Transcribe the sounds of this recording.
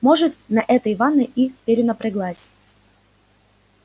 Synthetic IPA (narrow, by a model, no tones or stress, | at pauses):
moʐɨt̪̚nɐʔɛt̪əjvanːɨjʔipʲɪɾʲɪnəpɾʲɪɡlˠasʲ